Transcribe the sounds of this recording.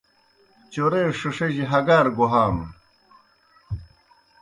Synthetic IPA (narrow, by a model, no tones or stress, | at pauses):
t͡ɕoɾeːʂɐʂɐʑiɦɐɡaːɾɡoɦaːm